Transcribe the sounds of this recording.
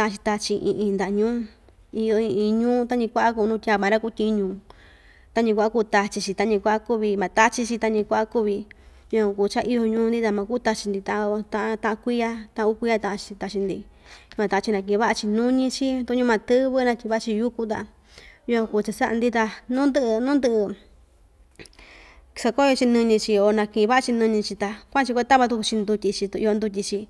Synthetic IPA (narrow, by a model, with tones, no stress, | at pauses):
t̪ã˧ʔa˧t͡ʃi˧t̪a˧t͡ʃi˧ʔḭ̃˧ʔĩː˧nd̪a˨˧ɲũː˦ | i˧jo˧ĩ˧ĩ˧ɲũː˦t̪a˦ɲĩ˧kʷa˦ʔa˦kuː˧nũː˦˧tʲa˧˨mã˨˧ɾa˦˧ku˧˦˧tʲi˧˦ɲũː˨ | t̪a˦ɲĩ˧kʷa˦ʔa˦ku˧t̪a˧t͡ʃi˧t͡ʃi˧t̪a˦ɲĩ˧kʷa˦ʔa˦˧ku˦βi˧mã˨t̪a˦t͡ʃi˧t͡ʃi˧t̪a˧ɲĩ˧kʷa˦ʔa˦ku˦βi˧ | ju˧ã˧kuː˧˨t͡ʃa˦ʔi˦jo˧ɲũː˧˦nd̪i˦t̪a˧mã˧ku˦t̪a˧t͡ʃi˧nd̪i˧t̪ã˧ʔt̪ã˦ʔt̪ã˦˧ʔã˧kʷi˦a˦t̪ã˦ã˧ku˦kʷi˦a˧t̪ã˧ʔã˧t͡ʃi̥˧t̪a˧t͡ʃi˧nd̪ḭ˧ũ˧˦ã˧t̪ã˧ã˧t͡ʃi˧nã˧k̬ĩ˧˨ĩ˧βa˦a˧t͡ʃi˧nũ˦ɲĩ˧t͡ʃi˦˧t̪u˧˦ɲũ˧mã˧t̪ɨ˦βɨ˦nã˧tʲi˧βa˦ʔa˧t͡ʃi˧ju˦ku˧t̪̬a̰˧ | ju˧ã˧ku˧˨˧t͡ʃa˧sa˦ʔa˧nd̪i˦t̪̬a˧nũ˦nd̪ɨ˧ʔnũ˦d̪ɨ˧ʔɨ˧ | sa˧ko˦jo˧t͡ʃi˧nɨ̃˧ɲĩ˧t͡ʃi˧o˧nã˧kĩ˧˨ĩ˧βa˦ʔa˧t͡ʃi˧nɨ̃˧ɲĩ˧t͡ʃi˧t̪a˧kʷã˦˧t͡ʃi˧kʷe˦t̪a˦βa˧t̪u˧ku˧t͡ʃi˧nd̪u˧tʲi˧t͡ʃi˧ḭ˧jo˧nd̪u˧t̬ʲi˧t͡ʃi˧